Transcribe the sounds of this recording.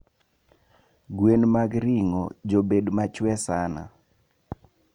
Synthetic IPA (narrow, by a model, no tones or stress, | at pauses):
ɡwenmaɡɾiŋɔ̰d͡ʒobedmat͡ʃwɛsana̰